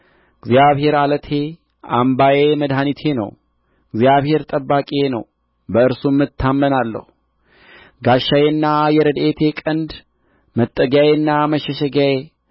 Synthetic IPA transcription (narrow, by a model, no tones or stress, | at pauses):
ɡzjaβhe̞ɾalət̪ʰe̞ | ʔa̰mbajeməd̪ɦanit̪ʰe̞nə̰w | ɡzjaβhe̞ɾt̪ʼəbːakʼenə̰w | bəɨɾsumːɨt̪ʰːamːənalːə̰hu | ɡaʃːajenːajɛɾəd̪ʔet̪ʰe̞kʼənd̪ | mət̪ʼːəɡajenːaməʃɛʃəɡaje